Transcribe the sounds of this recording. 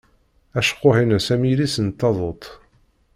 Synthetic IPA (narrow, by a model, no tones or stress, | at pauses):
æʃə̥qːohinsæmilisənt̪ːɑðˤot̪ˤ